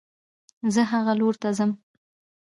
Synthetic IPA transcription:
zəɦaɣaloɾt̪azəm

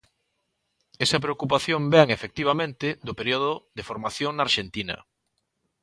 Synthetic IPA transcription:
ɛsɐp̬ɾeokup̬aθjombɛŋefek̚t̪iβ̞amẽnt̪ɪd̪ʊpeɾioðʊðefoɾmaθjoŋnaɾʃent̪inɐ̰

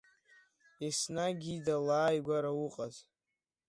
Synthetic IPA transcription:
esnaɡʲidalaːjɡʷaɾawʊqʼaz

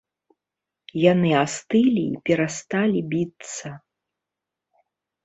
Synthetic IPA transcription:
janɨast̪ɨlʲḭːpʲɛɾast̪alʲibʲit̪sɐ

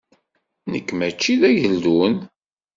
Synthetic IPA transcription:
nəkːmæt͡ʃːiðæjəlːun

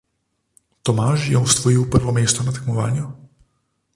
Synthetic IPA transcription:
t̪ɔmaːʃjɛɔst̪ʋɔiwpəɾʋɔmeːst̪ɔnat̪ɛkmɔʋaːnju

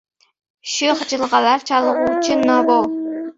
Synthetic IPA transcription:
ʃyχd͡ʒɨlˠʁɑlˠɑɾt͡ʃʰɑlˠəʁut͡ʃʰɨnɑbo

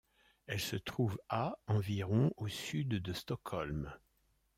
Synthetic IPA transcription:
ɛlsət̪χuvaɑ̃viʁɔ̃osyd̪ːəst̪ɔkʰɔlm

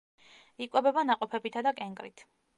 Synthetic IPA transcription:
ikʼwɛbɛbanaqʼɔpʰɛbit̪ʰad̪akʼɛŋkʼɾḭt̪ʰ

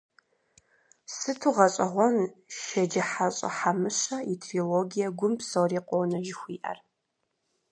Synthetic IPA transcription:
sɨtʰuʁɐɕʼɐʁʷɔnʃɐd͡ʒɐħaɕʼɐ̰ħamɨɕɐitʰrioloːɡijɐɡʷʊmpsowriːqʷʼownɐʒɪxʷiːʔɐ̰r

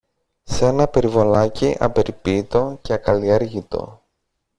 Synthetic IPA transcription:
se̞nɐpe̞ɾivo̞lɐciʔɐ̰be̞ɾipit̪o̞ceɐkɐlieɾʝit̪o̞̰

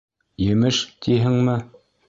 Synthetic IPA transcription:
jɘ̆mɘʃt̪iɦɘŋmɘ

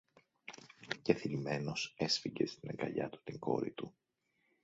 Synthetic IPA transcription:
ceθilime̞no̞se̞sfiɟe̞st̪inɐɡɐʎɐ̰t̪u̥t̪iŋɡo̞̰ɾḭt̪u

